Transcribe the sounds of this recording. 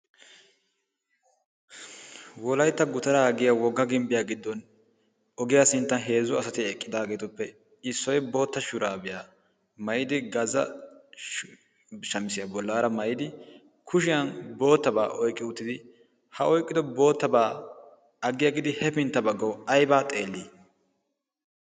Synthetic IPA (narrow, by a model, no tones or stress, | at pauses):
wɔlɐjt̪ːɐɡʊt̪ɐɾaɐɡɪjawɔɡːɐɡɪmbɪjaɡɪd̪ːɔn | ɔɡɪjasɪnt̪ːɐnɦe̞ːzʊɐsɐt̪ɪɛkʼːɪd̪aːɡe̞ːt̪ʊpːɛ | ɪsːɔjɛbo̞ːt̪ːɐʃʊɾaːbɪja | mɐjd̪ɪɡɐzɐ̰ | ʃɐmɪsɪjɐbɔlːaːɾɐmɐjɪd̪ɪ | kʰʊʃɪjɐnbo̞ːt̪ːɐbaːʔɔjkʼːɪʊt̪ːɪd̪ɪ | hɐʔɔjkʼːɪd̪ɔbo̞ːt̪ːɐbaː | ɐɡːɪjaɡɪd̪ɪhɛpɪnt̪ːɐbɐɡːɐwɐjbaːt̪ʼe̞ːlːiː